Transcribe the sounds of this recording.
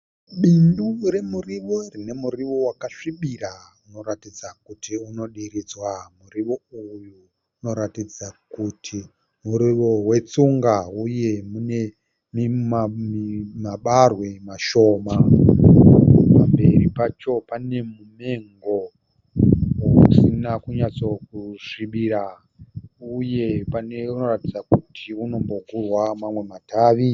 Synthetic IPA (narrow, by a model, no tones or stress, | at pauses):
ɓindure̞muriʋo̞rine̞muriʋo̞wakaʂiɓirauno̞ɾatid͡zakutʰiuno̞ɗiɾid͡zwamuriʋo̞ujuː | no̞ɾatid͡zakutʰi | muɾiʋo̞we̞t͡suŋɡauje̞mune | mimimaɓarwe̞maʃo̞ːma | ppambe̞ripat͡ʃo̞pane̞mume̞ŋɡo̞ | wousinakuɲat͡so̞kuʂiɓiɾa | uje̞paneuno̞ratid͡zakutʰiuno̞mbo̞kurwamamwe̞matʰaːʋi